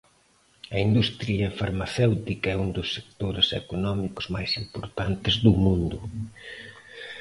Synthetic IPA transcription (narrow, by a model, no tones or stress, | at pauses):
ɐind̪ust̪ɾiɐefaɾmaθɛwt̪ikɐɛund̪ʊsːekt̪oɾesḛkonɔmikʊ̥zmajsimpoɾt̪ant̪ɪzðʊmũnd̪ʊ